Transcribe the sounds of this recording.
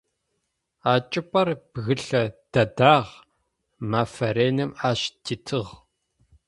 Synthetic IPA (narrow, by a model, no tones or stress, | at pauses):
aːt͡ʃʼɪpʷʼɐrb̥ɣɨɬɐd̥ɐdaːʁ | maːfɐɾeːnɨmaːʃtʰiːtʰɨʁ